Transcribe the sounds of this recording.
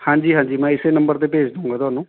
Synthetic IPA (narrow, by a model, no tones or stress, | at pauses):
hãːɲd͡ʒiːɦãːɲd͡ʒiːmɛ̃ːɪseːnəmbəɾt̪eːpeːd͡ʒd̪õũːŋɡaːt̪ʊaːnũː